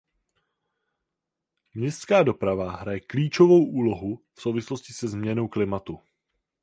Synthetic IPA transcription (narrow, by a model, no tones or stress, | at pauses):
mɲɛst̪kaːdo̞pɾavaɦɾajɛkliːt͡ʃovo̞wʔuːlo̞ɦufsowvɪslo̞scɪsɛzmɲɛno̞wklɪmat̪u